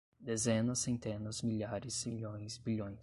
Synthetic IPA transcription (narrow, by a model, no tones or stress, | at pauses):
d̪ezẽnɐsẽnt̪ẽnɐzmiʎaɾɪsiʎõj̃sbiʎõj̃